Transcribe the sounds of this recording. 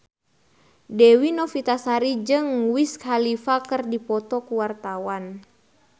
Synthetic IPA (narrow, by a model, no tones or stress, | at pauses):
dɛwinɔfit̪asaɾid͡ʒɨŋwiskhalifakərdipɔt̪ɔkuwart̪awan